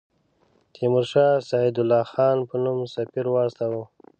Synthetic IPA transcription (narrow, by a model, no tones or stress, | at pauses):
t̪ʰimʊɾʃɑːsɑid̪ʊlːɑːxɑːnpənumsapiɾwɑːst̪awu